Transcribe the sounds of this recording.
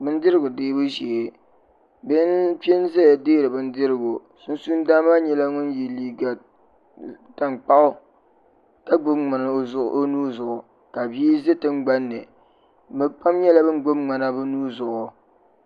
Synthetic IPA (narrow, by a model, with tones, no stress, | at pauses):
bɨ˦n˦dɪ˦ɾɨ˦ɡʊ˨deː˦bu˦ʒe˨ | bɨ˦npɛ˦nzɛ˦ja˨deː˦ɾɨ˨bɨ˦n˦dɪ˦ɾɪ˦˨ɡʊ˨ | su˦nsu˦n˦daː˦maː˦ɲɛ˦la˦ŋʊ˦nji˨liː˨ɡa˨ | ta˨nk͡pa˦ʔʊ˦ | ta˦ɡ͡bʊ˦mŋa˨na˨˦zʊ˦ʔo˦nuː˦zʊ˨ʔʊ˨ | ka˨bi˦i˦ze˦tɨ˦ŋ͡mɡ͡ba˦nːɨ˨ | bɨ˨k͡pa˦mɲɛ˦la˦bɨ˦n˦ɡ͡bo˦mŋ͡ma˨na˦bɨ˦nuː˦zʊ˨ʔʊ˨